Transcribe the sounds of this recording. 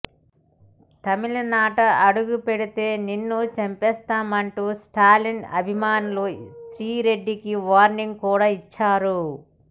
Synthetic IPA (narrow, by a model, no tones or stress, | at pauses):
t̪ɐmilɐnaːʈɐʔɐɽuɡupeɽit̪e̞ːninːut͡ʃɐmpɛːst̪aːmɐɳʈuːsʈaːlinɐ̰bʱimaːnulusɾiːɾe̞ɖːikiʋaːɾniŋɡkuːɽaːit͡ʃːaːɾu